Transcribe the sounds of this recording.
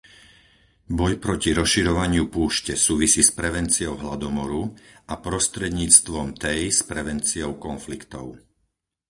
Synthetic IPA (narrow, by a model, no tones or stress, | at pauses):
bɔjpɾɔciɾɔsʃiɾɔʋaɲɪupuːʃcɛsuːʋisiːspɾɛʋɛnt͡siɔʊɦlad̪ɔmɔɾuʔapɾɔst̪ɾɛd̪ɲiːt͡st̪ʋɔmt̪ɛjspɾɛʋɛnt͡siɔʊkɔnflikt̪ɔʊ